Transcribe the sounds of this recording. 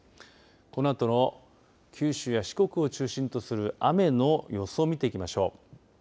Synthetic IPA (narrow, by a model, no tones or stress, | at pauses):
ko̞noat̪o̞no̞ | kʲʰɨːɕɨːjaɕi̥ko̞kɯ̟o̞t͡ɕɨːɕĩnt̪o̞sɨɾɯ̟ʔame̞no̞jo̞soːmʲit̪e̞ikʲimaɕo̞ː